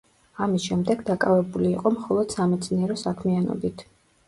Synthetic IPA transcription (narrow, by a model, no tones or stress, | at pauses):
amisʃɛmd̪ɛɡd̪akʼavɛbuliːqʼɔmχɔlˠɔd̪̥samɛt̪sʰniɛɾɔsakʰmianɔ̰bit̪ʰ